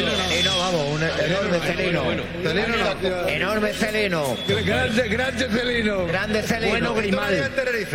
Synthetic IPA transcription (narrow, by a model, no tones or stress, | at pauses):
θelinoβamosunenoɾmeθelinoweno | elinoenoɾmeθelinoɡɾand̪eɡɾand̪eθelinoɡɾand̪eθelienoɣɾimalnt̪erɾiθ